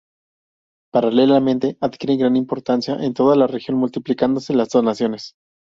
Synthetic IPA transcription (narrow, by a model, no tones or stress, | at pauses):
paɾale̞lamẽnt̪e̞ʔaðkjeɾe̞ŋɡɾanimpo̞ɾt̪ansjaʔent̪o̞ð̞alarexjo̞nmult̪iplikand̪o̞se̞lazðoznasjo̞ne̞s